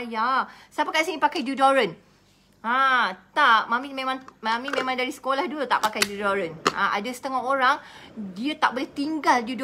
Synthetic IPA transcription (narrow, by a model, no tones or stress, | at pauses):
jasapakasənĩpakajdjudoɾən | ãt̪aʔmãmĩmẽmãŋmãmĩmẽmãŋdaɾisə̥kolahduət̪a̰ʔpakajdudoɾəna̰ʔa̰dasə̥t̪əŋɔɦoɾaŋdiat̪aʔboleht̪iŋɡaldud